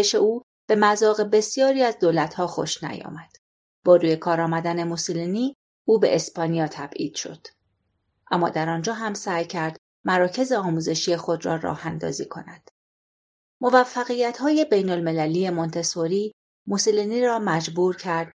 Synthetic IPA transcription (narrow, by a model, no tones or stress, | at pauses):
eʃe̞uː | b̥e̞mæzɒːɣe̞be̞sijɒːɾiːæzd̪oːlæt̪ʰhɒːxo̞̰ʃnæ̰jɒ̰ːmæd̪̥ | b̥ɒːɾuːje̞kʰɒːɾɒːmæd̪æne̞mosoliniː | uːbe̞̰ʔespɒːnijɒːt̪ʰæb̥ʔḭːd̪̥ʃo̞̰d̪̥ | ʔæmːɒ̰ːd̪æɾɒnd͡ʒɒːɦæmsæːjcʰæɾd̪̥ | mæɾɒːcʰe̞zeɒːmuːze̞ʃije̞xo̞d̪rɒ̰ːɾɒ̰ːhænd̪ɒ̰ːziːkʰo̞̰næd̪̥ | mo̞væfːæɣijæt̪hɒːje̞be̞jno̞lme̞læliːje̞mont̪ʰesoɾiː | mosoliniːɾɒːmæd͡ʒbuːɾcʰæɾd̪̥